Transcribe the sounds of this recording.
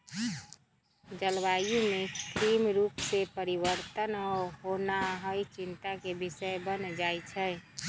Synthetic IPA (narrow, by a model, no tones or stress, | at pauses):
d͡ʒəlʋajũmẽkɾimɾuːpsepəɾiwəɾt̪ənɔɾɦonaɦəit͡ʃint̪akebɪsəebənd͡ʒajt͡ʃʰɛ